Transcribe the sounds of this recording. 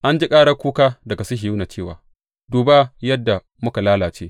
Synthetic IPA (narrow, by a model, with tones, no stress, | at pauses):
ʔa˦nd͡ʒi˦kʼaː˦ɽɐ˦kʷuː˦kaː˦dɐ˨ɡa˨sʊ˦ɦi˨juː˦na˨t͡ʃeː˦˨waː˨ | duː˨ba˦jɐ˦dːa˨ | mʊ˦ka˨laː˦laː˨t͡ʃeː˦